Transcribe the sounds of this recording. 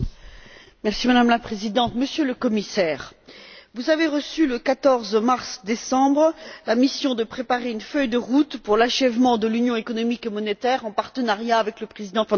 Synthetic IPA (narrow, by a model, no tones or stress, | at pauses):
mɛʁsimad̪amlapχezid̪ɑ̃t̪məsjøləkɔmisɛːʁvuzaveʁəsyləkat̪ɔʁzmaʁsd̪esɑ̃bʁlamisjɔ̃d̪əpχepaʁeynfœjd̪əʁut̪puʁlaʃɛvmɑ̃d̪əlynjɔ̃ekɔnɔmikemɔnet̪ɛʁɑ̃paʁt̪ənaʁjaːvɛkləpχezid̪ɑ̃f